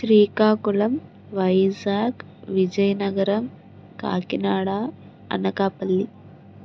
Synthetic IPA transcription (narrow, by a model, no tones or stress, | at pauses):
ʃɾiːkaːkulɐm | ʋɐjd͡ʒaːk | ʋid͡ʒɐjɐnɐɡɐɾɐm | ka̰ːkinaːɽaː | ɐ̰nɐkaːpɐlːi